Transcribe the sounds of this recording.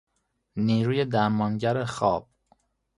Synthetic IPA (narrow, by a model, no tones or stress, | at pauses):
niːɾuːjed̪æɾmɒːnɟæɾexɒːb̥̚